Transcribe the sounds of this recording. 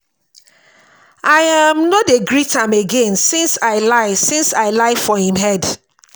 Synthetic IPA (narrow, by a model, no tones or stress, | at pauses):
aɪamnɔteɡɹitãmeɡẽnsĩnsaɪlaɪsĩnsaɪlaɪfɔhĩmɦɛd